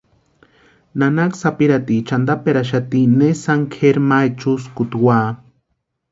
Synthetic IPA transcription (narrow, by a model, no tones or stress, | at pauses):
nanaksapiɾat̪it͡ʃand̪apeɾaʃ̬at̪inesaŋkʰeɾmajt͡ʃuskut̪waː